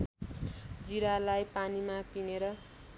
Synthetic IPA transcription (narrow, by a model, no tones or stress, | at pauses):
d͡ziɾalajpanimapineɾʌ